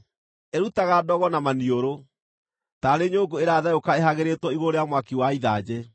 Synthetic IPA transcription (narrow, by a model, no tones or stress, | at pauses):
eɾutaɣadɔɣɔnamanioɾo | taɾeɲoːɡoeɾaðajokaeɦaɣeɾetwɔiɣoɾeamwakiwaiðad͡ʑɛ